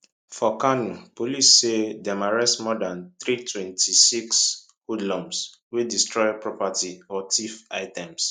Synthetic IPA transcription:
fɔkanupolisːedɛmaɹɛsmɔdãnθɾitʰwɛ̃ntisiks | hudlɔ̃ms | wedistɹɔjpɹɔpatʰiɔtʰifa̰ɪtɛ̃ms

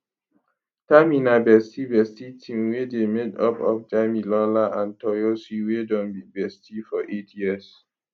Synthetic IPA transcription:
taminabɛstibɛstitʰĩmwedemedɔ̰pɔ̰fd͡ʒamilɔlaãntɔjosiwedɔ̃nbibɛstifɔʔetʰjiəs

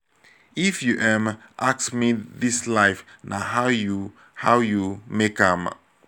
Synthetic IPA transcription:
ifjuʔɛ̃mʔaksmiðislaɪfnaɦawju | hawjumekʌ̃m

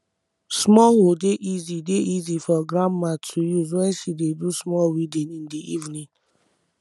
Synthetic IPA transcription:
smɔwodeʔizideʔizifɔɡɾãmmatʰujuzwɛ̃nʃidedusmɔlwidɛ̃nĩndiʔivnĩn

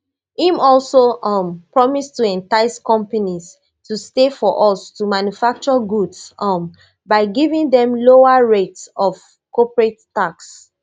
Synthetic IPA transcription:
ĩmɔlsompɹɔmistuɛ̃ntaɪskɔ̃mpaniz | tʰustefɔʔɔstumãnjufak̚t͡ʃɔɡudsm | baɪɡivĩŋdɛ̃mloaɹetsɔv | kɔpɹetː | aks

